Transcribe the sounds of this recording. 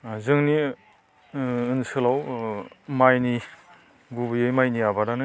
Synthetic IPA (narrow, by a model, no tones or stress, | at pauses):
zɯŋni | ɯnsɯlaw | majni | ɡubɯjɯjmajniabaɾanɯ